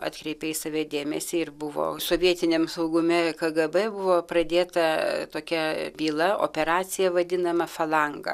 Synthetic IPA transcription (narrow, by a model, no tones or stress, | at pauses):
ɑ̰ːt̪ʲkɾʲɛɪpʲɛɪsɐʋʲɛd̪ʲeːmʲɛsʲiːɪɾbʊʋo̰ːsoːʋʲiɛt̪ʲɪnʲeːmsɐʊɡʊmʲɛkɐɡɐbɛbʊʋoːprɐd̪ʲeːt̪ɐt̪oːkʲɛbʲiːlˠɐo̰ːpʲɛɾɑːt͡ssʲɪjɛʋɐd̪ʲɪnɐmɐfɐlˠɐŋɡɐ̰